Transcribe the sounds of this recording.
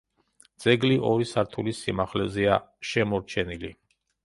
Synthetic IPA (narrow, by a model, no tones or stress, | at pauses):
d̪z̥ɛɡliʔɔɾisaɾt̪ʰulisimaχlɛzɛaʃɛmɔɾt͡ʃʰɛnili